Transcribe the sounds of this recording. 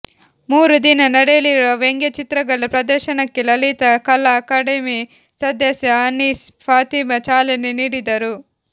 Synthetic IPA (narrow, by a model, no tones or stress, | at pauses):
muːɾud̪inɐnɐɽeliɾoːʋeŋɡet͡ʃit̪ɾɐɡɐlːɐpɾɐd̪ɐɾʃɐnɐkːilɐlit̪ɐkɐlːɐːkaːɖemi | sɐd̪jɐsjɐɐnːiːs | pʰaːt̪iːmɐt͡ʃaːleniniːɽid̪ɐɾu